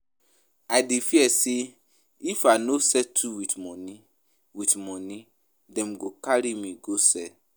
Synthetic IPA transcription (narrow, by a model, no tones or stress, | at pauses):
ajdefiɛse | ifanosɛtʰuwitmɔ̃nĩ | witmɔ̃nĩ | dɛ̃mɡokaɾimĩɡosɛ